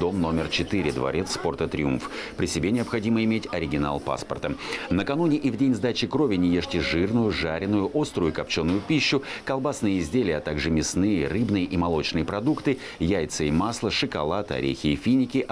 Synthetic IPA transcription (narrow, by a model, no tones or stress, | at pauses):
d̪o̞mno̞mʲɪrt͡ɕɪt̪ɨɾʲɪd̪vɐ̰ɾʲet̪spo̞rt̪ət̪ɾʲɪunfpɾʲɪsʲɪbʲenʲɪəpxɐdʲiməɪmʲetʲɐɾʲɪɡʲɪna̰lˠpa̰spərt̪ənəkɐnunʲɪʔivdʲenʲzd̪at͡ɕɪkɾovʲɪnʲɪjeʂtʲɪʐɨrnʊjʊʐaɾʲɪnʊjʊʔo̞st̪ɾʊjʊkɐp̚t͡ɕonːʊjʊpʲiɕːʊkɐlˠbasnɨjəɪzʲdʲelʲɪjəɐt̪aɡʐɨmʲɪsnɨjərɨbnɨjəʔimɐlˠo̞t͡ɕnɨjəpɾɐd̪ukt̪ɨ | jæjt̪sɨɪmaslˠəʂɨkɐlˠat̪ɨɐ̰ɾʲḛxʲɪːfʲinʲɪkʲɪ